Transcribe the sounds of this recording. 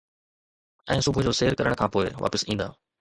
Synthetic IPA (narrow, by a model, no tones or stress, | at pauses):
ɛ̃ːsʊbʱʊd͡ʑoːseːɾkɐɾəɽ̃kʰãːpoːɪʋa̰ːpəsĩːnd̪a̰ː